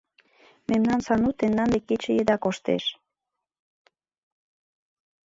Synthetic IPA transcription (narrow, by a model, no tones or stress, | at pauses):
memnɑnsɑnut̪end̪ɑnd̪ekːet͡ɕejed̪ɑkoʃt̪ḛʃ